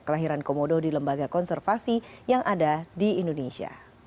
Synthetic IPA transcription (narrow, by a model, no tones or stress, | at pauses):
kəlaɦiɾankomododiləmbaɡakɔnsɛrfasijaŋʔadadiindonesia̰